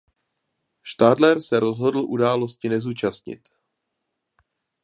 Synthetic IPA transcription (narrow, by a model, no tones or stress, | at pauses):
ʃt̪aːdlɛɾsɛɾo̞zɦo̞dl̩ʔudaːlo̞scɪnɛzuːt͡ʃast̪ɲɪ̰t̪